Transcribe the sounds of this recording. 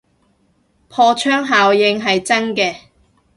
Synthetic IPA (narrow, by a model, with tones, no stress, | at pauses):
pʰɔː˧t͡ʃʰœː˥ŋɦaː˨wjɪ˧ŋɦɐ˨jt͡sɐ˥nkɛː˧